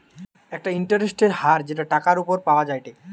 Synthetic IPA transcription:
ɛk̚ʈaiɳʈaɾesʈeɾhaɾd͡ʑeʈaʈakaɾupoɾpaoad͡ʑajʈe

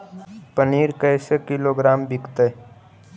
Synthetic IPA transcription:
pəniːɾkəjsekɪloɡɾaːmbʱɪkt̪e

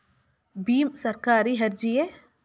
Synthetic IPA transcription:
biːmsɐɾkaːɾiɦɐɾd͡ʒie

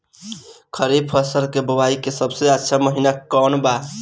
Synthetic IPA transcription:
kʰəɾib̚pʰəsəɾkebəwaikesəbseəʃʰaməɦinakːɔnba

